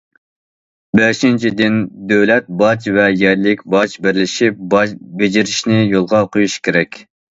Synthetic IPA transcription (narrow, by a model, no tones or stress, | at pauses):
bɛʃint͡ʃʰid̪ɪnd̪øwlɛt̪̚bɑt͡ʃvɛjɛɾlɪkʲbɑt͡ʃbɪɾlɪʃip̚bɑbɪd͡ʒɪɾɪʃnɪjolˠʁɑqʰojuʃkʲʰeɾɛkʲ